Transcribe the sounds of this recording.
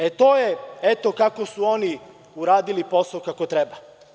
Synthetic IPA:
et̪oːjeet̪o̞kako̞suo̞ni | uɾaːd̪ilipo̞saokako̞t̪ɾeba

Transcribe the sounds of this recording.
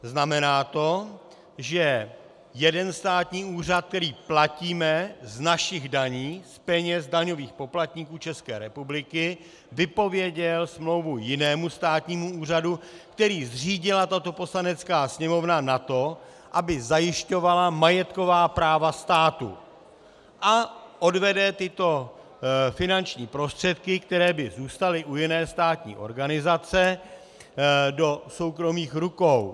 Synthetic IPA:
znamɛnaːt̪o̞ | ʒɛ | jɛdɛnst̪aːt̪ɲiːuːr̝at̪̚k̚t̪ɛɾiːplaciːmɛznaʃɪɣdaɲiːspɛɲɛzdaɲo̞viːxpo̞plat̪ɲikuːt͡ʃɛskɛːɾɛpublɪkɪ | vɪpo̞vjɛɟɛlsmlo̞wvujɪnɛːmust̪aːt̪ɲiːmuuːr̝adukt̪ɛɾiːzr̝iːɟɪlat̪at̪o̞po̞slanɛt͡skaːsɲɛmo̞vnanat̪o̞ | ʔabɪzajɪʃco̞valamajɛt̪ko̞vaːpɾaːvast̪aːt̪ṵ | ʔaʔodvɛdɛt̪ɪt̪o̞ | fɪnant͡ʃɲiːpɾo̞st̪r̥ɛt̪kɪkt̪ɛɾɛːbɪzuːst̪alɪʔujɪnɛːst̪aːt̪ɲḭːʔo̞̰ɾɡanɪzat͡sɛ | do̞so̞wkɾo̞miːxɾukow

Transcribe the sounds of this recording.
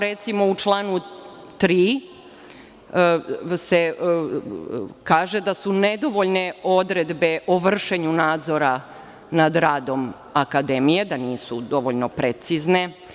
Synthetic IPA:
ɾet̪simo̞ut͡ʃlˠaːnu | t̪ɾiː | se | kaːʒe̞d̪asuned̪o̞ʋo̞ʎne̞o̞d̪ɾe̞d̪be̞ʔoʋr̩ʃe̞ɲunaːd̪zo̞ɾa | nad̪ɾaːd̪o̞m | akad̪e̞mije̞d̪aniːsud̪o̞ʋo̞ʎno̞pɾet̪sizne̞

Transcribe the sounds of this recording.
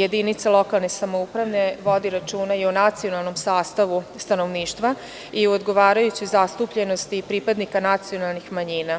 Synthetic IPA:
e̞d̪init̪salˠo̞kalˠne̞samoupɾaʋne̞ʋo̞d̪iɾat͡ʃuːnajionat̪sio̞nalˠno̞msaːst̪aʋust̪ano̞ʋniːʃt̪ʋa | iuod̪ɡo̞ʋaːɾajut͡ɕizast̪upʎe̞no̞st̪ipɾipad̪nikanat̪sijo̞nalˠnixmaɲiːna

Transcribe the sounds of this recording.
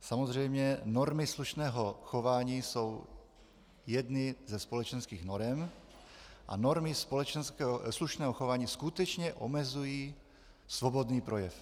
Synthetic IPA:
samozr̝ɛjmɲɛno̞ɾmɪsluʃnɛːɦoxo̞vaːɲiːso̞w | jɛd̪nɪzɛspo̞lɛt͡ʃɛnskiːɣnoɾɛm | ʔa̰noɾmɪspolɛt͡ʃɛnskɛɦsluʃnɛːɦoxovaːɲiːskut̪ɛt͡ʃɲɛʔo̰mɛzujiː | svo̞bo̞d̪niːpɾo̞jɛf

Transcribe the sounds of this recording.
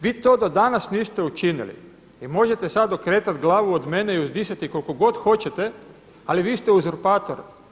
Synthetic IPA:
ʋiːt̪o̞ːd̪od̪anasniːst̪eut͡ʃinḭlḭ | imo̞ʒet̪esad̪o̞kɾeːt̪at̪ɡlˠaːʋuod̪me̞neiuzd̪isat̪iko̞lko̞ɡo̞d̪xo̞t͡ɕet̪e̞ | aliʋiːst̪euzuɾpaːt̪oɾ

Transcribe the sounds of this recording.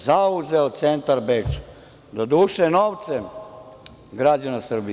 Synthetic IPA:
zauzeot̪sent̪aɾbet͡ʃ | d̪od̪uːʃenoːʋt̪se | ɡɾad͡ʑanasr̩bi

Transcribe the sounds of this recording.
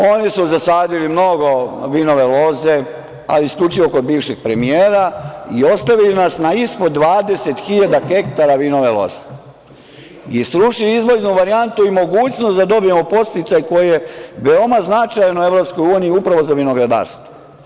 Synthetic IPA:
o̞nisuzasaːd̪ilimno̞ɡo̞ʋino̞ʋe̞lo̞ze̞ | a̰liskʎut͡ʃiʋokod̪̚biːʋʃeɡ̥̚pɾe̞mijeːɾaio̞st̪aʋilinasnaispod̪ːʋaːd̪e̞se̞t̪xiʎad̪axe̞kt̪aɾaʋino̞ʋe̞lo̞̰z̥e | isɾuʃilizʋoznuʋaɾiant̪uimo̞ɡuːt͡ɕnosd̪ad̪o̞bije̞mopo̞st̪it̪sajko̞jejeʋeomaznat͡ʃajnue̞ʋɾo̞psko̞juːniiupɾaʋo̞zaʋinoɡɾad̪a̰ːɾst̪o

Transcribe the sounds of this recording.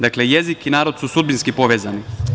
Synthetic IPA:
d̪akleje̞zikinaːɾo̞d̪susud̪binskipo̞ʋeːzani

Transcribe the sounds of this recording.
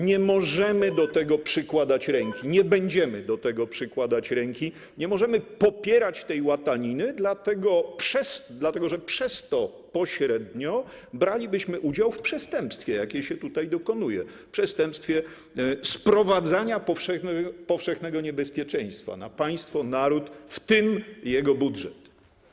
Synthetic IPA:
ɲɛmɔʐɛmɘd̪ɔt̪ɛɡɔpʂɘkwad̪at͡ɕɾɛŋkʲiɲɛbɛɲd͡ʑɛmɘd̪ɔt̪ɛɡɔpʂɘkwad̪at͡ɕɾɛŋkʲi | ɲɛmɔʐɛmɘpɔpʲjɛɾat͡ɕt̪ɛjwat̪aɲinɘd̪lat̪ɛɡɔpʂɛsd̪lat̪ɛɡɔʐɛpʂɛst̪ɔ | pɔɕɾɛd̪ɲɔ | bɾalʲibɘɕmɘʔud͡ʑawfpʂɛst̪ɛmpst̪fʲjɛjakʲɛɕɛt̪ut̪ajd̪ɔkɔnujɛ̰fpʂɛst̪ɛmpst̪fʲjɛ | spɾɔvad̪zaɲapɔfʂɛɛpɔfʂɛxnɛɡɔɲɛbɛspʲjɛt͡ʂɛ̃j̃st̪fa̰na̰paj̃st̪fɔnaɾut̪ft̪ɪmjɛɡɔbudʐɛt̪

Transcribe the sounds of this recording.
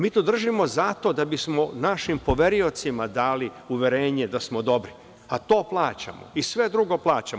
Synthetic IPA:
miːt̪ud̪r̩ʒimo̞zat̪o̞d̪abismonaʃimpo̞ʋe̞ɾio̞t̪simad̪aːliuʋʲje̞ɾeːɲed̪asmo̞d̪o̞bɾi | at̪o̞ːplˠaːt͡ɕa̰mo̰isʋe̞d̪ɾuɡo̞plˠaːt͡ɕam

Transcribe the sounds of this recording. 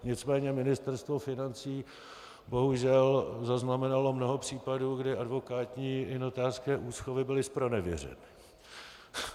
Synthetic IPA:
ɲɪt͡smɛːɲɛmɪnɪst̪ɛɾst̪vo̞fɪnant͡siː | bo̞ɦuʒɛlzaznamɛnalo̞mno̞ɦo̞pr̝̥iːpaduːɡdɪʔadvo̞kaːt̪ɲiːɪnot̪aːskɛːʔuːsxovɪbɪlɪspɾo̞nɛvjɛ̰rɛ̰nɪ

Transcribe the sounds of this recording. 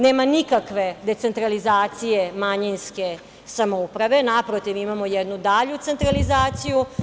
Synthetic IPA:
neːmanikakʋe̞d̪e̞t̪se̞nt̪ɾalizaːt̪sijemaɲinske̞ | samoupɾaʋe̞napɾot̪iʋimamo̞jɛd̪nud̪aʎut̪se̞nt̪ɾalizaːt̪siju

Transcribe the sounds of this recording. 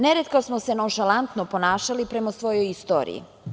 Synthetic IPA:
neɾet̪̚kosmosenonʃalˠant̪nopo̞naːʃalipɾemasʋo̞jojist̪o̰ːɾḭḭ

